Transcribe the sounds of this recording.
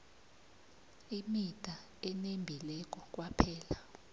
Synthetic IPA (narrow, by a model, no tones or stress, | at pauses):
imitʼa | ɛnembʱilɛk̬ʼɔk̬ʼwapʰɛːla